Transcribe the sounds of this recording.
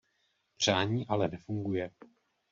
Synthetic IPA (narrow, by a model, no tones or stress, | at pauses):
pr̝̥aːɲiːʔalɛnɛfuŋɡujɛ